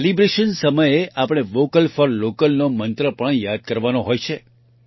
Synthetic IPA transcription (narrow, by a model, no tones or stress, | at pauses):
elibɾeʃənsəməjeapəɽ̃eʋokəlfɔɾlokəlnomənt̪ɾəpəɳjad̪̚kəɾʋanoɦojt͡ʃʰe